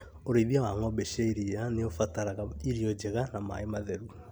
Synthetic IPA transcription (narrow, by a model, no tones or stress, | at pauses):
oɾeβjaɣaŋɔbeʃeiɾianeofataɾaɣaiɾiod͡ʒeɣanama̰emaðɛɾu